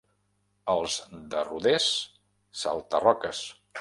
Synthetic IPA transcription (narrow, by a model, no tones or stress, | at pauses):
əlˠzd̪əruðesː | a̰lˠt̪ərɔkəs